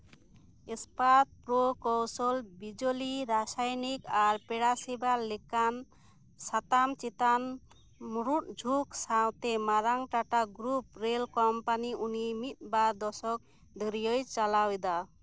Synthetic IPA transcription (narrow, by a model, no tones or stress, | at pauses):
espat̪̚pɾokɔwsɔlbid͡ʒoliɾasajnikaɾpɛɽasibalekan | sat̪amt͡ʃit̪an | muɾut̪̚d͡ʒʱuksawt̪emaɾaŋʈaʈaɡɾup̚ɾelkɔmpaniunimit̪̚bad̪ɔsɔk̚ | d̪ʱɔɾijɔjt͡ʃalawd̪a